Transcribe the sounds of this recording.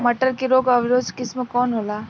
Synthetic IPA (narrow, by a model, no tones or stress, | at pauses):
mɐʈəɾkiɾoːɡɐʋɾoːd͡ʒkɪsmekɔːnɦoːlaː